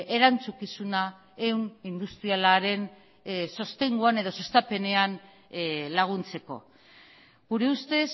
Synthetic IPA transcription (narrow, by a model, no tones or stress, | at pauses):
e̞ɾant͡sukisuna | e̞wnind̪ust̪ɾialaɾe̞n | so̞st̪e̞ŋɡuane̞ðo̞so̞st̪ape̞ne̞an | laɣ̞unt͡se̞ko̞̰ | ɣuɾe̞ust̪e̞s